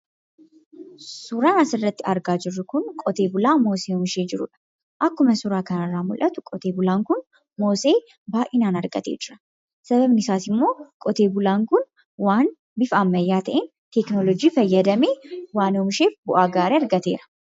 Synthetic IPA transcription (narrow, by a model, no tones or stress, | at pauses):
sʊɾaːnɐsɪrːɐt̪ːɪɐɾɡaːd͡ʒɪrːʊkʊnkʼɔt̪e̞ːbʊlaːmo̞ːseːɔmʃeːd͡ʒɪɾʊ̰ᶑɐ̥ | ʔɐkːʊmɐsʊɾaːkɐnɐrːaːmʊlʔɐt̪ʊkʼɔt̪eːbʊlaːŋkʊn | moːseː | baːʔɪnaːnɐɾɡɐt̪ḛːd͡ʒɪɾɐ̥ | sɐbɐbnɪsaːsɪmːo̞ːkʼɔt̪eːbʊlaːŋkʊn | waːn | bɪfamːɐjːaːt̪ɐʔeːn | t̪ɛknɔlɔd͡ʒiːfɐjːɐd̪ɐmeːwaːnɔmʃeːfbʊʔaːɡaːɾeːɐɾɡɐt̪eːɾɐ̥